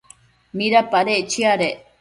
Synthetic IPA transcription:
miɾɐpːɐɾeːt͡ʃːiaɾe

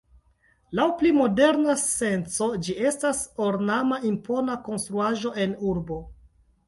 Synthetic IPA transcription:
lawplimo̞de̞ɾnase̞nt͡so̞d͡ʒie̞staso̞ɾnamaʔimpo̞nako̞nstɾuaʒo̞ʔe̞nuɾbo̞

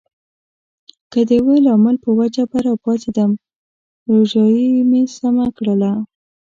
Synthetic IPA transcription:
kəd̪əwelɑməlpəwad͡ʒabaɾɑpɑt̪ed̪əm | ɾoʒɑjimesamakɽəla

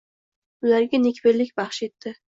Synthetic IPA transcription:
ʊlaɾɡʲanekʲbelːɪkʲbɑχʃet̪ːɪ

